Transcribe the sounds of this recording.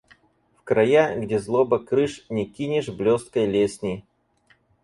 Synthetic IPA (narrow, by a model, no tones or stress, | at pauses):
fkɾɐjaɡdʲezlˠobəkɾɨʂnʲɪkʲinʲɪʐblʲost̪̚kəjlʲesʲnʲɪj